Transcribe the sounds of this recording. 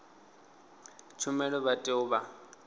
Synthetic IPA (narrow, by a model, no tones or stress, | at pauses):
t͡ʃʰumɛɺɔβatʼɪʊba